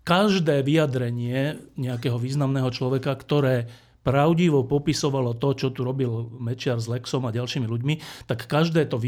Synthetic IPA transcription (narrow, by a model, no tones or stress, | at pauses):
kaʒd̪ɛːʋijad̪ɾɛɲɪɛɲɛakɛːɦɔʋiːznamnɛːɦɔt͡ʃlɔʋɛkakt̪ɔɾɛː | pɾaʊɟiʋɔpɔpisɔʋalɔt̪ɔt͡ʃɔt̪uɾɔbilmɛt͡ʃɪaɾzlɛksɔmaɟalʃiːmiluɟmit̪akːaʒd̪ɛːt̪ɔʋ